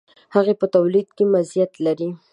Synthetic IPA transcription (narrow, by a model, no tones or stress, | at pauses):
haɣepət̪awlid̪kewazjat̪laɾi